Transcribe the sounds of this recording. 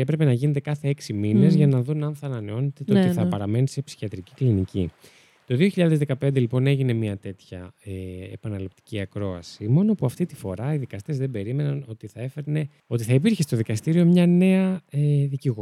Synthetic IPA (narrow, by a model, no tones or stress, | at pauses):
epɾe̞pe̞nɐʝine̞t̪̬e̞kɐθe̞eksimine̞zʝɐnɐðunɐnθɐːnɐne̞o̞net̪et̪otiθɐpɐɾɐme̞nise̞psi̥çiɐt̪ɾiciklinicḭ | t̪o̞ðio̞çiʎɐðe̞zðekɐpe̞nd̪e̞lipo̞ne̞ʝine̞miɐt̪e̞t̪çɐeḛpɐnɐlip̚t̪i̥ciɐkɾo̞ɐ̰simo̞nopuɐft̪it̪ifo̞ɾɐiðikɐst̪e̞zðe̞be̞ɾime̞nɐno̞t̪iθɐe̞feɾne̞ | o̞t̪iθɐipiɾçest̪o̞ðikɐst̪iɾio̞mɲɐne̞ɐeðiciɣo